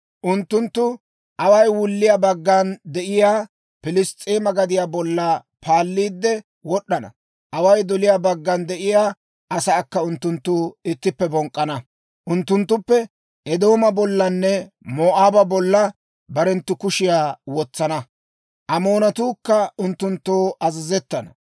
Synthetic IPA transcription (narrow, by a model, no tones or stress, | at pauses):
ʔʊnt̪ːʊnt̪ːʊ | ʔɐwɐjwʊlːɪjaːbɐɡːɐnd̪ɛʔɪjaː | pɪlɪst̪ʼːeːmɐɡɐd̪ɪjaːbɔlːɐ | pʰaːlːiːd̪ːɛ | wɔɗːɐnɐ̰ | ʔɐwɐjd̪ɔlɪjaːbɐɡːɐnd̪ɛʔɪjaː | ʔɐsɐːkːɐʊnt̪ːʊnt̪ːuɪt̪ːɪpːɛbɔŋkʼːɐnɐ | ʔʊnt̪ːʊnt̪ːʊpːɛ | ʔɛd̪o̞ːmɐbɔlːɐnːɛ | moːʔaːbɐbɔlːɐ | bɐɾɛnt̪ːʊkʊʃɪjaːwɔt͡sːɐnɐ | ʔɐmoːnɐt̪uːkːɐʊnt̪ːʊnt̪ːoːʔɐzɪzɛt̪ːɐnɐ̰